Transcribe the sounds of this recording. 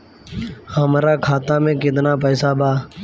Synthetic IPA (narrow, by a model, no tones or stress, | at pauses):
həmɾaːkʰaːt̪aːmẽːkɪd̪naːpɛːsaːbʱaː